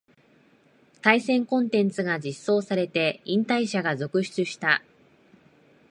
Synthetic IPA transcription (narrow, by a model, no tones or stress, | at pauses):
t̪aisẽ̞ŋkõ̞nt̪ẽ̞nt͡sɨɡad͡ʑisːo̞ːsaɾe̞t̪e̞ĩnt̪aiɕaɡazo̞kɯ̟ɕi̥t͡sɨɕi̥t̪a